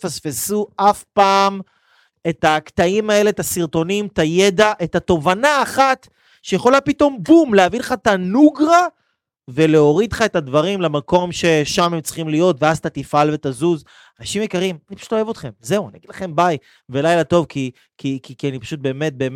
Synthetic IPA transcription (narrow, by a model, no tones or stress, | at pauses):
fasfe̞suʔafpaːm | e̞t̪akt̪aimae̞le̞et̪asiʁto̞nimt̪aje̞d̪aʔetat̪o̞vanaːχat̪ | ʃejeχo̞lapito̞mbumleavileχatanuɡʁa | ve̞le̞o̞ʁid̪χae̞t̪advaʁimlemako̞mʃe̞ʃamemt͡si̥χimlijo̞t̪veazt̪at̪ifalve̞t̪azuz | anaʃimjekaʁimanipḁʃu̥to̞evot̪χe̞mze̞uaniaɡid̪laχe̞mbaj | velajlat̪o̞vkʰi | kʰikikianipḁʃut̪̚be̞ːmet̪̚be̞ːm